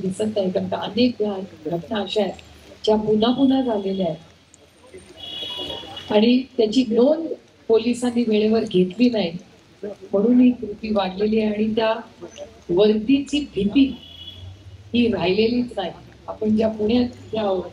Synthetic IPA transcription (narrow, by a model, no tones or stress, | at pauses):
d̪isət̪aɦet̪əmt̪aənek̚b̪ʱaɡɾəknaːɕaed͡ʑjapunapunad͡zʱaleliaɦe | aɽ̃it̪jat͡ɕiːɡnon | polisanːiːʋeɭeʋəɾɡʱet̪liːnaɦi | məɽ̃uːnɦiːkɾut̪iːʋaɽleliːaaɽ̃it̪ja | ʋəɾd̪it͡ɕiːbʱit̪iː | ɦiːɾajleliːt͡snaɦi | apəɳd͡ʑjapuɳjat͡st̪jao